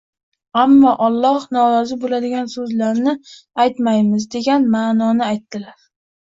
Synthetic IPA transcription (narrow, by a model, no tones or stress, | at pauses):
amːɒʔɒlˠːɒhnɒɾɒzɪbolad̪ɪɡʲansɵzlaɾnɪajt̪majmɪzd̪e̞ɡʲanmaːnɒnɪajt̪ːɪlaɾ